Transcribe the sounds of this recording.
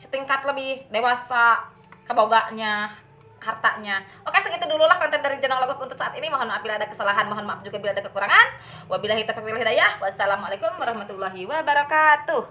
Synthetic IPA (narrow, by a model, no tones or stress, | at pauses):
sə̥t̪iŋkat̪ləbɪhdewasa | kəboɡaʔɲa | ɦart̪aʔɲawokasəkit̪udululahkɔnt̪ɛndaɾid͡ʒanaŋlaɡɔkunt̪ʊt̪saʔat̪inimaɦɔnmaapilaːdakəsalaɦanmaɦɔnmaap̚d͡ʒuɡabiladakəkuɾaŋan | wabilaɦit̪afak̚wilaɦidajahwasalamalakʊmwaɾɑhmat̪ulːaɦiwabaɾakat̪u